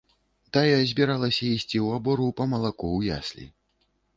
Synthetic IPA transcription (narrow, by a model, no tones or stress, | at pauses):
t̪ajazʲbʲiɾalˠɐsʲɐisʲt͡sʲiwabɔɾupɐmɐlˠakuwja̰sʲlʲḭ